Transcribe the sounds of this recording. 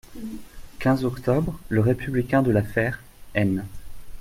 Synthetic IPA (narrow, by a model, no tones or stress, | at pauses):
kʲɛ̃zɔkt̪ɔbʁləʁepyblikʲɛ̃d̪əlafɛʁ | ɛn